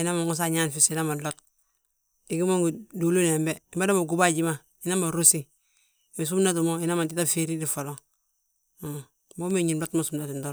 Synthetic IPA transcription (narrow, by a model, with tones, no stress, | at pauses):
i˨na˦ma˨ŋɡo˦s̬a˦ɲa˦nfi˨si˨na˦ma˨lo˦t̚ | i˨ɡi˦mo˦ŋɡu˨do˨lo˦ne˨mbei˨mba˦da˦mo˨ɡu˦ba˦ɟi˦ma˨ | i˦na˦ma˨ɾo˦si˦ | mi˨s̬u˦mna˦t̬u˨mo˦i˦na˦ma˨nti˦ta˦fe˦ɾi˦di˨fo˨lo˦ | mo˦me˦˨ɲi˨nlo˦tmo˦su˦mna˨ti˨ndo˦